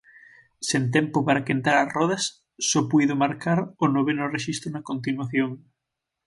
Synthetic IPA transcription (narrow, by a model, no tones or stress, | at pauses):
sent̪̬ɛmpopaɾakent̪aɾɐsrɔð̞ɐsː | ɔpujðʊmaɾkaɾonoβenoreʃist̪ɾonakont̪inwaθjoŋ